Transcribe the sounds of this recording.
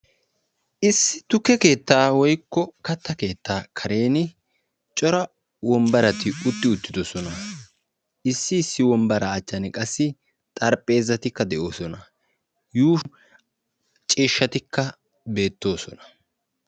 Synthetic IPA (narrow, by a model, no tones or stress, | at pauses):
ʔɪsːɪ̥t̪ʊkːɛke̞ːt̪ːaːwɔjkːɔkɐt̪ːɐke̞ːt̪ːaːkʰɐɾe̞ːnɪ | t͡ʃʼɔɾɐ | wɔmbɐɾɐt̪ɪʊt̪ːɪʊt̪ːɪd̪ɔsɔnɐ | ɪsːɪːsːɪwɔmbɐɾɐːt͡ʃːɐnɪkʼɐsːɪ | t̪ʼɐɾpʼe̞ːzːɐt̪ɪkːɐd̪ɛʔo̞ːsɔnɐ | juː | t͡ʃʼiːʃːɐt̪ɪkːɐ | be̞ːt̪ːo̞ːsɔnɐ̥